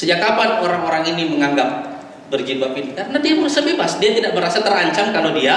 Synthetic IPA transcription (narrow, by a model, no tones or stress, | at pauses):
səd͡ʒakapanoɾaŋoɾaŋiniməŋaŋɡap̚ | bərd͡ʒibapinikaɾənadiamərasabebasdiat̪idaʔ̚bəɾasat̪əraɲt͡ʃamkalodia